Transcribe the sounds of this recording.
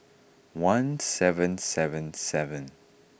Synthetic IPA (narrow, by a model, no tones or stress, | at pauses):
wãnsɛvə̃nsɛvə̃nsɛvə̃n